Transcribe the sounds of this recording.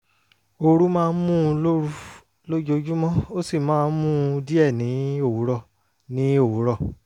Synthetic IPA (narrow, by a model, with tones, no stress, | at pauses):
o˧ɾu˦mãː˦˧˦mũ˦o˦ɾu˦˧ | lo˦d͡ʒo˧d͡ʒu˦mɔ̃˦o˦si˦˨mãː˦n˦mũ˦di˦ɛ˦˨nĩ˨˦o˦˨wu˨˦ɾɔ˧˨ | nĩ˨˦o˦˨wu˨˦ɾɔ˧˨